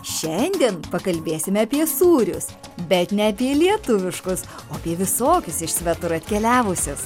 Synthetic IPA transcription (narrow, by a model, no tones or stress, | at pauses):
ʃʲɛnʲd̪ʲiɛnpɐkɐlʲbʲeːsʲɪmʲɛɐpʲiɛsuːɾʲʊ̰s | bʲɛt̪nʲɛɐpʲiɛlʲiɛt̪ʊʋʲɪʃkʊsoːɐpʲiɛʋʲɪsoːkʲʊsɪʃsʲʋʲɛt̪ʊɾɐt̪ʲkʲɛlʲæːʋʊsʲʊs